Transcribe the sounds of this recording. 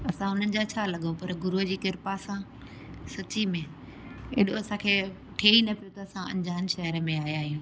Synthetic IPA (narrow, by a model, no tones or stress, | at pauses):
ɐsãɦʊn̤ənɪ̆d͡ʑat͡ɕʰaːlɐɠõpɐɾɡʊɾod͡ʑiːkɪɾpasã | sɐt͡ɕimẽ | ḛːɗoɐsãːkʰeː | ʈʰeːinɐpijot̪ɐɐsãɐ̰̃nd͡ʑaːnʃɐɦəɾəmẽaːɦjaːɦijũː